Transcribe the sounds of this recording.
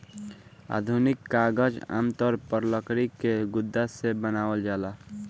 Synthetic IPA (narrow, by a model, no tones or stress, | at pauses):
a̰d̪ʱunikːaɡəd͡ʒa̰mt̪əɾpəɾləkɾikeɡʊd̪ːasebənaːwəld͡ʒaːla